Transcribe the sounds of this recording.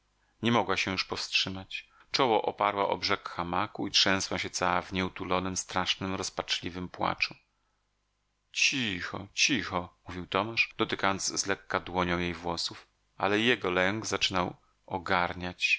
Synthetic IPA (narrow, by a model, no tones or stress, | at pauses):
ɲɛmɔɡwaɕɛjuʂpɔfstʂɘmat͡ɕ | t͡ʂɔwɔʔɔ̰paɾwaʔɔ̰bʐɛkxamakuitʂɛ̃w̃swaɕɛt̪sawavɲɛut̪ulɔnɘmst̪ɾaʂnɘmɾɔspat͡ʂlʲivɘmpwa̰t͡ʂu | t͡ɕixɔ̰t͡ɕixɔmuvʲiwt̪ɔmaʂd̪̥ɔt̪ɘkajɔnzzlɛkːad̪wɔɲɔ̃w̃jejvwɔsuf | ʔa̰lɛjɛɡɔlɛŋɡzat͡ʂɘnaw | ɔɡaɾɲat͡ɕ